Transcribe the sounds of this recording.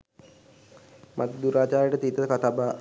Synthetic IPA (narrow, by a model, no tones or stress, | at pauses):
mʔa̰t̪d̪uɾaːd͡ʒaːɾəʈət̪it̪əkat̪aːbaː